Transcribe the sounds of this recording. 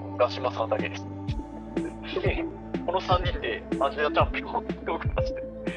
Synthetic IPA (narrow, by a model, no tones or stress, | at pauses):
ɡaɕimasãnd̪aked̪esɨ̥ | e | ko̞no̞sãɲ̟ʲːĩnd̪e̞ãʑiat̪ãmpkot̪ːeokemaɕi̥t̪e